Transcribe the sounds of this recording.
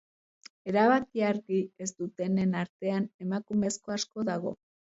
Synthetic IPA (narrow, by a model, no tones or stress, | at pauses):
e̞ɾaβakiaɾɣie̞zt̪ut̪e̞ne̞naɾt̪e̞ane̞makume̞sko̞asko̞ðaɣ̞o̞̰